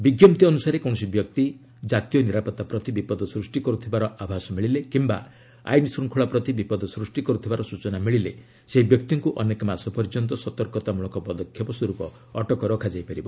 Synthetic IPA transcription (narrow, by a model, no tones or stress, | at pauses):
biɡjɔmt̪iɔnusaɾekɔw̃ɔsibjɔkt̪i | d͡ʒat̪ijɔniɾapɔt̪ːapɾɔt̪ibipɔd̪ʱɔsɾusʈikɔɾut̪ʰibaɾɔʔabʱasɔmiɭilekimba̰ | a̰jnisɾuŋkʰuɭapɾɔt̪ibipɔd̪ʱɔsɾusʈikɔɾut̪ʰibaɾɔsut͡ʃɔnamiɭilḛ | seɦibjɔkt̪iŋkuʔɔnekɔmasɔpɔɾd͡ʒɔnt̪ɔsɔt̪ɔɾkɔt̪amuɭɔkɔpɔd̪ɔkʰjɔpɔswɔɾupɔ | ɔʈɔkɔɾɔkʰad͡ʒajpaɾibɔ